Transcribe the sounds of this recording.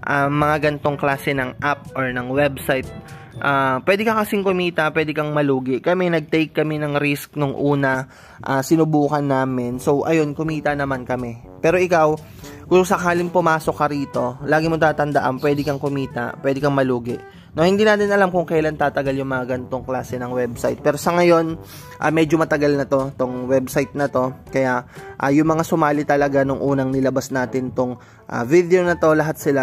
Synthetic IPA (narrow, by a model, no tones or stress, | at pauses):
ʔɐmɐŋaɡɐnt̪o̞ŋklaːsɛnɐŋʔap̚ʔoɹnɐŋwɛbsajt̪̚ | ʔapːwɛːd̪ɪkɐkɐsɪŋkʊmiːt̪ɐpwɛːd̪ɛkɐŋmɐluːɡɪʔkɐmɛnɐɡ̚t̪ɛjkːɐmɛnɐŋɾisk̚noŋʔuːnɐ | ʔasɪnʊbuːkɐnːaːmɪnso̞wʔɐjo̞nkʊmiːt̪ɐnɐmankɐmɛ | pɛːɾo̞ʔɪkaw | kʊŋsɐkaːlɪŋpʊmaːso̞kːɐɾiːt̪o̞laːɡɪmɐt̪aːt̪ɐnd̪ɐʔa̰npwɛːd̪ɪkɐŋkʊmiːt̪ɐ̰pwʔɛd̪ɪkɐŋmɐluːɡɪʔ | nohɪnd̪iːnaːt̪ɪnʔɐlamkʊŋkɐjlant̪aːt̪ɐɡaljʊŋmɐŋaɡɐnt̪o̞ŋklaːsɛnɐŋwɛbsa̰jt̪̚pɛːɾo̞sɐŋɐjo̞n | ʔɐ̰mɛːd͡ʒomɐt̪ɐɡalnɐt̪o̞t̪oŋwɛbsajt̪̚nɐt̪o̞kɐjaʔʔɐjʊŋmɐŋasʊmaːlɪt̪ɐlɐɡanʊŋʔuːnɐŋnɪlɐbasnaːt̪ɪnt̪oŋ | ʔa̰vid̪eonɐt̪o̞lɐɦat̪̚sɪla